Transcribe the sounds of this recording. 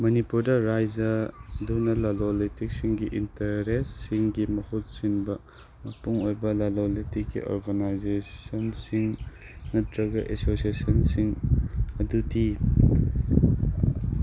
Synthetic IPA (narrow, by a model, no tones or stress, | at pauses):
mɐnipuɾdɐɾajzɐdunɐlalolitik̚siŋɡiʔintɐɾesːiŋɡimɐhut̚sinbɐ | mɐpuŋojbɐlalolitikːḭʔo̰ɾɡɐnajzesɐnsiŋ | nɐtʰɾɐɡɐʔesosiesɐnsiŋɐdutʰi